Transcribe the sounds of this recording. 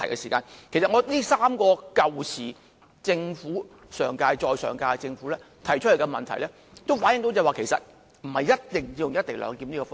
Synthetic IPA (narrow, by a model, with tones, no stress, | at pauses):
ɐ˨jkɛ̰˧siː˨˩kaː˧nkʰe˨˩jsɐ˨t̚ŋɔː˨˧niː˥saː˥mkɔː˧kɐ˨wt͡sʰiː˨˩ | t͡sɪ˧ŋfuː˨˥ | sœː˨˩ŋkaː˧jt͡ʃɔː˨˧jsœ̰ː˨˩ŋkaː˧t͡sɪ˧ŋfu˨˥lɛː˥ | t̪ʰɐ˨˩jt͡ʃʰɵ˥le˨˩kɐ˧mɐ̰˨nt̪ʰɐ˨˩jlɛː˥ | t̪o˥wfaː˨˥njɪ˧˥ŋt̪o˧˥wt͡sɛː˨˧waː˨˧kʰe˨˩jsɐ̰˨t̚ | m̩˨˩hɐ˨jjɐ˥t̚t̪ɪ˨ŋi˧jʊ˨ŋjɐ˥t̪̚ɪ˨˩ŋlœ̰ː˨˧ŋkiː˧mniː˥kɔː˧fɔ˥